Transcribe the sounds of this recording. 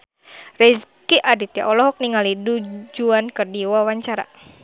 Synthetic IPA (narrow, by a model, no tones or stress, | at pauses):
rɛskiʔadit̪ja̰ʔɔlɔɦɔk̚niŋalidud͡ʒuankərdiwawaɲt͡ʃaɾa̰